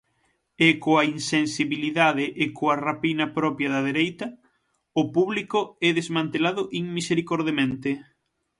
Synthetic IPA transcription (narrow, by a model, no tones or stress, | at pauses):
ekoainsensiβiliðaðeʔːkoarapinɐpɾɔpjɐðɐðeɾejt̪ɐ | ʊpuβlikoɛðezmãnt̪elaðʊʔiŋmiseɾikoɾðemẽnt̪e